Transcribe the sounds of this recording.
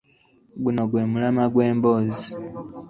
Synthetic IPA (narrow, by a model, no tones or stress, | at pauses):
bunoɡwe̞ːmulamaɡwe̞ːmbozi